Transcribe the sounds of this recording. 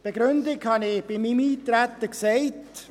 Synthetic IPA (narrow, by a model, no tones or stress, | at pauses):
b̥eɡ̥ɾʏndɪkhɑnɪb̥ɪmimiːt̪ɾætːəksɛɪt